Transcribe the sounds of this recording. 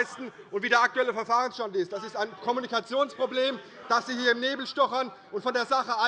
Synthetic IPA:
stn̩ | ʔʊntv̥iːdeːɐʔak̚tuɛləfɛɐfaːʁənsʃtandɪst̚d̥asɪstaɪnkʰɔmunikat͡sjoːnspʁ̥obleːm | d̥asz̥iːhiːɐɪmneːbl̩ʃtɔχɐn | ʔʊntfɔndeːɐzaχəa

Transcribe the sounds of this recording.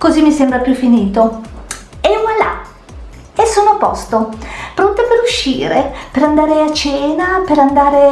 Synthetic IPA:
kozimːisembɾapjufːiniːt̪o | ɛala̰ | esoːnopɔst̪opɾont̪epeɾuʃːḭːɾepeɾand̪aːɾeat͡ʃeːnapeɾand̪aːɾe

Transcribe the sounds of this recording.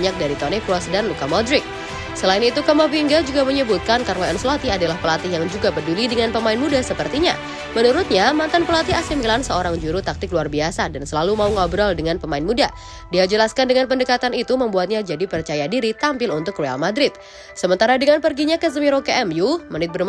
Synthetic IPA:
ɲak̚daɾit̪onekɾuɔsdanlukamɔdɾɪk̚ | səlaɪnit̪ukamaviŋɡad͡ʒuɡaməɲəbut̪̚kankaɾənaɛnslot̪iadalahpəlat̪ɪɦjaŋd͡ʒuɡapədulidəŋanpəmaɪnmudasəpərt̪iɲa̰ | mənuɾʊt̪̚ɲamant̪anpəlat̪iasimilansəoɾaŋd͡ʒuɾut̪ak̚t̪ɪkluarbiasadansəlalumauŋabɾaldəŋanpəmaɪnmuda | diad͡ʒəlaskandəŋanpəndəkat̪anit̪uməmbuat̪̚ɲad͡ʒadipərt͡ʃajadiɾit̪ampɪlunt̪ʊkroa̰lmadɾɪt̪̚ | səmənt̪aɾadəŋanpərɡiɲakəzəmiɾokeʔɛmjumənɪt̪̚bər

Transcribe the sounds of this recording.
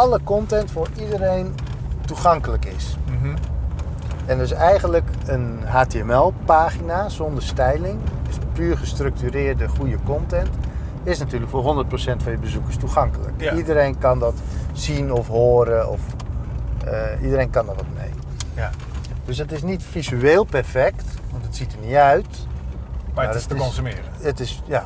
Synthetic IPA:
ɑləkɔntɛntfʊːɹidəɾejn | tuχɑŋkələkɪs | ɛndəɪsɛjɣənləkən | ɦaːteɛmɛlˠpaːχinazɔndəɹstɛjlɪŋsəpyːrχəstrɵk̚tyːrɪːɹdəχujəkɔntɛnt | ɪsnatyːrləkfoːɦondərt̚prosɛntfɑnjəbəzukərstuxɑŋkələ̰kidəɾejnkɑndɔtsinɔfɦoːɾəɔ̰f | əʔidəɾeːjnkɑndɔtʋɔtmḛj | d̥øsdɔtɪsnitfizyeːlˠpɛrfɛktʋɔntətsitərnitœɥt | maknsmɪːrəətɪsja

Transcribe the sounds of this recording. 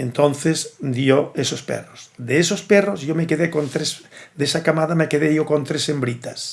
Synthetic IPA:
ent̪õnθezd̪ioesospḛrosd̪eesosperozjomekeðekont̪ɾesd̪esakamaðamekeðejokont̪ɾesembɾit̪as

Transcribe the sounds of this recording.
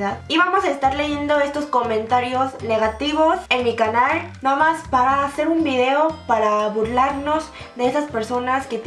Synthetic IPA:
ðaðiβamo̞saest̪aɾle̞ʝe̞nd̪o̞e̞st̪o̞sko̞mẽ̞nt̪aɾjo̞zne̞ɣat̪iβo̞senmikanalnoðomaspaɾaːse̞ɾumbiðe̞o̞paɾaβuɾlaɾno̞z | ðe̞esaspe̞ɾso̞naske̞t̪

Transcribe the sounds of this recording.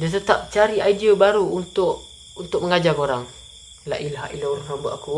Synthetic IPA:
dət̪̬ət̪ap̚t͡ʃaɾiaidiobaɾuːnt̪ʊʔ | unt̪ʊk̚məŋad͡ʒakoɾaŋ | la̰ʔilaɦaʔilauɾuhnambʊʔaku

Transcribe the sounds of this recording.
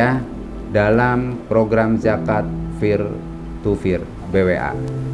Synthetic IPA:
a | dalampɾoɡɾamd͡ʒakat̪̚fir | t̪ufir | beweʔa̰

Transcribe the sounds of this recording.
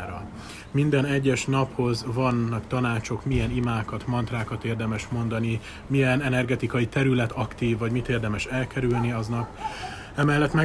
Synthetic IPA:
ɾɒ̰ | mind̪ɛnɛɟːɛʃnɒpho̞zvɒnːɒkt̪ɒnaːt͡ʃo̞kmijɛnimaːkɒt̪mɒnt̪raːkɒt̪eːrd̪ɛmɛʃmo̞nd̪ɒni | mijɛnɛnɛrɡɛt̪ikɒjit̪ɛɾylɛt̪ʰɒkt̪iːvːɒɟmit̪eːrd̪ɛmɛʃɛlkɛɾylniɒznɒk | ɛmɛlːɛt̪mɛ

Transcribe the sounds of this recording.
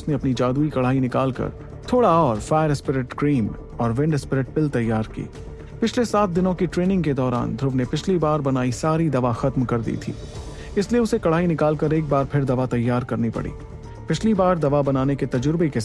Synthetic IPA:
ʊsneɐpnid͡ʒaːd̪uːikɐɭ̤aːɦinɪkaːlkɐ̰ɾ | t̪ʰoːɽaɔːɾfaːɪɾɪspɪɾɪʈkɾiːm | ɔːɾʋɪ̃ɳɖɪspɾɪʈ̚pɪlt̪ɐjːaːɾkḭː | pɪt͡ʃʰlesaːt̪̚d̪ɪnõkiʈɾeːnɪ̃ŋɡked̪ɔːɾa̰ːnd̪ʱɾʊʋnepɪt͡ʃʰlibaːɾbɐnaːisaːɾid̪ɐʋaxɐt̪mkɐɾd̪ḭːt̪ʰḭː | ɪslieʊsekɐɭ̤aːinɪkaːlkɐɾeːk̚baːɾpʰɪɾd̪ɐʋat̪ɐjːaːɾkɐɾnipɐ̰ɽḭː | pɪt͡ʃʰlibaːɾd̪ɐʋabɐnaːneket̪ɐd͡ʒʊɾbeke

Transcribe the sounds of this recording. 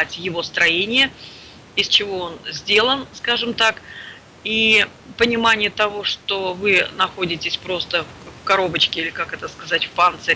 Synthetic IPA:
atʲjɪvo̞st̪ɾɐjenʲɪjə | ɪst͡ɕɪvo̞onzʲdʲe̞lˠənskaʐɨmt̪ak | i | pənʲɪmanʲɪjət̪ɐvo̞ʂt̪o̞vɨnɐxo̞dʲɪtʲɪsʲpɾo̞st̪əffkɐɾo̞bət͡ɕkʲɪilʲɪkakɛt̪əskɐzatʲfpant̪sɨ

